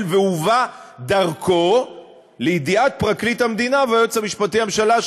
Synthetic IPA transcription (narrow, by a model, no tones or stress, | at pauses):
lveuvad̪aʁkʰo̞ | leid̪iat̚pʁaklithamd̪inavajot͡shamiʃpatihamʃala